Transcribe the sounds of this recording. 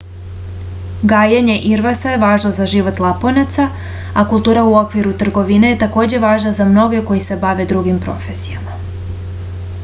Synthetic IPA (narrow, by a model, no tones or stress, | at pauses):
ɡaːjaɲe̞ʔiɾʋasajeʋaːʒnozaʒiʋo̞t̪lˠaponat̪sa | akulˠt̪uːɾauo̞kʋiɾut̪r̩ɡo̞ʋine̞jet̪ako̞ːd͡ʑe̞ʋaːʒnazamno̞ɡe̞ko̞jise̞baʋe̞d̪ɾuɡimpɾo̞̰fesijama